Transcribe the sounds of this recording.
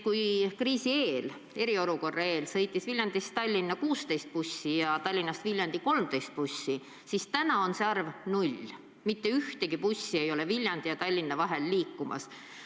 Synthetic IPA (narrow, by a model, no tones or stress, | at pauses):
kujkriːsie̞ːl | e̞ɾio̞luko̞rːɑe̞ːlsɤ̞jt̪ːˑisvilʲjɑnd̪̥ist̪ɑlʲːinːɑkuːst̪ejst̪̚pusʲːijɑt̪ɑlʲːinːɑst̪vilʲjɑnd̪̥iko̞lmt̪e̞jst̪̚pusʲːi | sist̪ænɑo̞nseɑrvnulʲ | mit̪ːe̞yht̪e̞ɡipusʲːie̞jo̞le̞vilʲjɑnd̪̥ijɑt̪ɑlʲːinːɑvɑɦe̞lːiːkːumɑ̰s